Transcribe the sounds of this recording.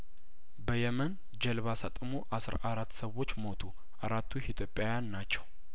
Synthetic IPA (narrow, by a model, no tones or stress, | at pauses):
bəjɛmən | d͡ʒəlβasat̪ʼmoʔasɾaɾat̪ːsəwo̞t͡ʃːmo̞t̪ʰu | ʔaɾat̪ʰːuit̪ʰjo̞pʼjawjanːat͡ʃːɛw